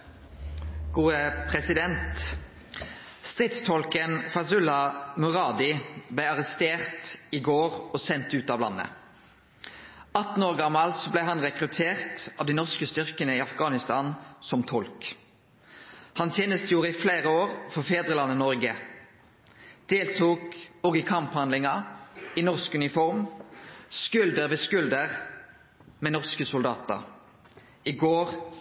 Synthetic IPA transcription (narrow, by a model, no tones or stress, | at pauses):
ɡ̥uːəpʰʁɛsɪd̪ɛnt̪ | st̪ʁɪt̪st̪ʰɔlkənfɑsʉlɑmʉʁɑːd̪ɪblæɪɑʁɛst̪eːʁt̪ɪɡoːʁɔsɛnt̪ʉːt̪ɑːʋlɑ̰nːə̰ | ɑt̪n̩oːʁɡɑmːɑlsɔblæɪɦɑnʁɛkʁʉt̪ʰeːʁt̪ɑ̰ːʋd̪iːnɔʁskəst̪ʏʁkənəiɑfɡɑːnɪst̪ɑːnsɔmt̪ʰɔlk | hɑnt̪ʰjeːnəst̪juːʁəɪfleːʁəoːʁfɔʁfeːd̪ʁəlɑnːənɔʁɡə | d̪̥eːlt̪ʰuːkoːɡɪkʰɑmphɑnd̪lɪŋɑinɔʁskʉnɪfɔʁm | skʉld̪əɾʋeːskʉld̪əʁ | mɛːnɔʁskəsʊld̪ɑːt̪ə̰ʁ | ɪɡoːʁ